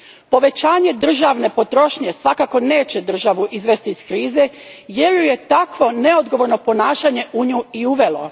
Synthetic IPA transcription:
po̞ʋe̞t͡ɕaːɲe̞d̪r̩ʒaʋne̞pot̪ɾo̞ʃɲe̞sʋakako̞ne̞ːt͡ɕe̞d̪r̩ʒaʋuʔizʋe̞st̪iiskɾiːze̞ | je̞ɾjuje̞t̪akʋo̞ne̞o̞d̪ɡo̞ʋo̞ɾno̞po̞naːʃaɲe̞ʔuɲuːiuʋe̞lo̞̰

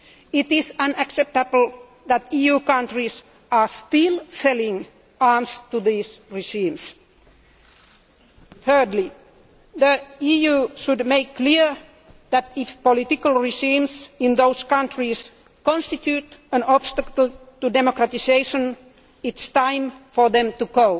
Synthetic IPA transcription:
ɪt̪ɪsãnæksɛp̚t̪əbl̩ˠ | ðæt̪iːjuːkãntɹis | ɑst̪ɪlˠsɛlɪ̃ŋ | ɑɹmst̪uðiːsɹiʒĩːms | θɜ˞dli | ðəiːjʉːʃudmeɪkːliəɹ | ðæt̪ɪfpɔlɪt̪ɪkəlˠɹɪʒĩːmsɪ̃nðoʊskãntɹis | kɔ̃nst̪it̪jʉːtə̃nɔb̥st̪əkəl̩ˠt̪udemokɹæt̪iseɪʃə̃n | ɪt̪st̪ãɪ̃mfə˞ðɛ̃mt̪uɡoʊ

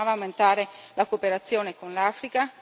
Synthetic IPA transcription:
aːvaːwment̪aːɾelakopeɾat̪sːjoːnekonlaːfɾika

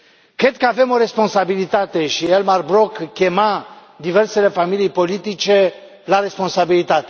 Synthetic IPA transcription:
kɛt̪kavɛmoɾespɔ̃sabilit̪at̪eʃiɛlmaɾbɾɔkkemã | d̪ivɛɾselefamilipolit̪it͡ʃe | laɾespɔ̃sabilit̪at̪

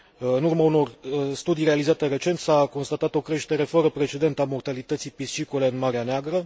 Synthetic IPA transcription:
ɨnurmauno̞rst̪ud̪ijre̞alizat̪ere̞t͡ʃe̞nt̪sako̞nst̪at̪at̪o̞kɾe̞ʃt̪e̞ɾe̞fəɾəpɾe̞t͡ʃe̞d̪e̞nt̪əamo̞rt̪alit̪ət̪sijpist͡ʃikule̞ɨnmaɾeaneaɡɾə

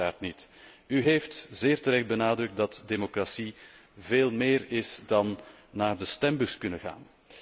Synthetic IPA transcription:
aːrtnit | yɦejftzeːrtəɾɛxt̚bənaːdrɵk̚t̚dɑtdemokrasi | veːlˠmeːrɪsdɑnː | aːrdəstɛmbɵskɵnəɣa̰ːn

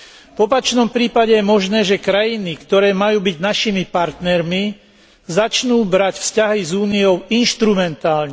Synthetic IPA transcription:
vɔpat͡ʃnɔmpɾiːpaɟɛjɛmɔʒnɛːʒɛkɾajinikt̪ɔɾɛːmajuːbiɟnaʃimipaɾt̪nɛɾmi | zat͡ʃnuːbɾacfscaɦizuːnijɔʊinʃt̪ɾumɛnt̪aːlɲɛ

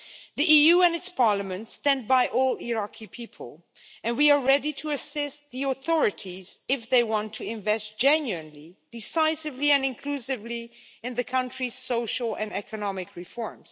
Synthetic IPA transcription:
ðiʔijuɨ̃nɨtspʰɑɹləmɨ̃ntstɛ̃nd̚baɪʔɔlˠiɹakʰipʰipʰə̰l̩ˠ | ɨ̃nwiə˞ɹɛdiɾʰɨɨsɪstðiɔθɔɹɨɾʰizɪfðeɪwɑ̃ntʰːɨɪ̃ɱvɛst̚d̥ʒ̥ɛ̃njʉɨ̃nlid̥ɨsaɪsɨvliɨ̃nɨ̃nkʰl̥usɨvliɨ̃nðɨkʰʌ̃nt͡ʃɹ̥iz̥soʊʃl̩ˠɨ̰̃nɛkʰɨnɑmɨkʰɹɨfɔɹmz̥

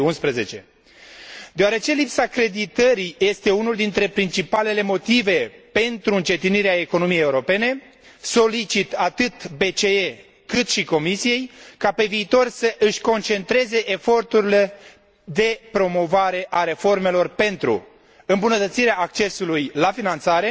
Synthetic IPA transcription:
unspɾeze̞t͡ʃe̞ | d̪eoaɾe̞t͡ʃe̞lipsakɾe̞d̪it̪əɾije̞st̪e̞unuld̪int̪ɾe̞pɾint͡ʃipale̞le̞mo̞t̪ive̞pe̞nt̪ɾuɨnt͡ʃe̞t̪iniɾeaeko̞no̞mijejeuɾo̞pe̞ne̞ | so̞lit͡ʃit̪at̪ɨt̪be̞t͡ʃe̞e | kɨt̪ʃiko̞misije̞jkape̞viːt̪o̞rsəʔɨʃʲko̞nt͡ʃe̞nt̪ɾe̞ze̞ʔefo̞rt̪uɾile̞ | d̪e̞pɾo̞mo̞vaɾe̞ʔaɾe̞fo̞rme̞lo̞rpe̞nt̪ɾṵ | ɨmbunət̪ət̪siɾeaːk̚t͡ʃe̞sulujlafinant̪saɾe̞

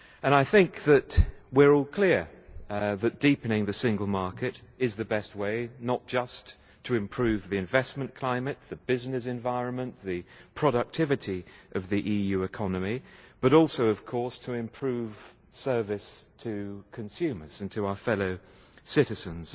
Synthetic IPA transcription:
ə̃ñaɪθɪ̃ŋk̚ðɨtwɪɹɔlˠkʰl̥ɪɹ | ðɨt̚d̥ipɨnɪ̃ŋðɨsɪ̃ŋɡəl̩ˠmɑɹkɨɾɪzðɨbɛst̚weɪnət̚d̥ʒ̥ʌst | tʰɨɨ̃mpʰɹ̥ʉvðiɨ̃ɱvɛsmə̃nkʰl̥ãɪ̃mɨt̪̚ðɨbɪznɨsɨ̃ɱvaɪɹə̃nmə̃nðɨpʰɹ̥ɑɾək̚tʰɪvɨɾiʔʌvðiʔijʉɨkʰɑnɨmib̥ʌɾɔˑlˠsoʊʌv̥kʰɔɹstʰəɪ̃mpʰɹ̥ʉv̥ | sɜ˞vɨstʰɨkʰɨ̃nsʉmə˞z̥ɨ̃ntʰəaʊə˞fɛloʊ | sɪɾɨzɨ̃nz̥

